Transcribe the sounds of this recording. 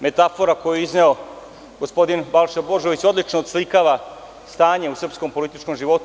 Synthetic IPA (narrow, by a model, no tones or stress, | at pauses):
me̞t̪afo̞ɾakojeizne̞o̞ | ɡospo̞d̪inbalˠʃebo̞ʒo̞ʋit͡ɕo̞d̪lit͡ʃnoːd̪slikaːʋa | st̪aːɲe̞usr̩psko̞mpo̞lit̪it͡ʃko̞mʒiʋo̞t̪